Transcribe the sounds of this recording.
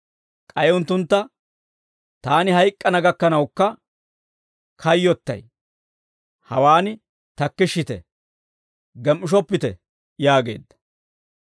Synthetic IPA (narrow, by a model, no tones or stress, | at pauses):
kʼɐjʊnt̪ːʊnt̪ːɐ | t̪aːnɪɦɐjkʼːɐnɐɡɐkːɐnɐwkːɐ | kʰɐjːɔt̪ːɐ̰j | hɐwaːnɪ | t̪ɐkːɪʃːɪt̪ɛ̰ | ɡɛmːɪʃ̬ɔpːɪt̪ɛ̰ | jaːɡe̞̰ːd̪ːɐ̥